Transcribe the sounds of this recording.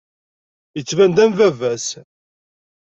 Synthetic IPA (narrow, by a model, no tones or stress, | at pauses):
jət͡sːvænd̪ænvævæs